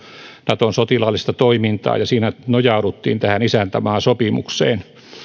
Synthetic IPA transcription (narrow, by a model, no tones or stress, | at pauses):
nɑt̪onsot̪ilɑlːist̪ɑt̪oimint̪ɑ̰ːjɑsiːnænojɑuɾut̪ːḭːnt̪æhænisænt̪æmɑːsopimṵksḛːn